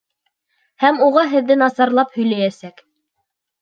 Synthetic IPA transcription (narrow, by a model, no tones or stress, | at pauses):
hæmuʁɑɦɘ̆ðːɘnɑsɑɾlˠɑphɵ̆jlæjæsæk